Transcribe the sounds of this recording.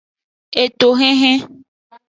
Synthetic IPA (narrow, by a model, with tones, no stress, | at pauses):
e˨t̪o˨ɦẽ˦ɦẽ˦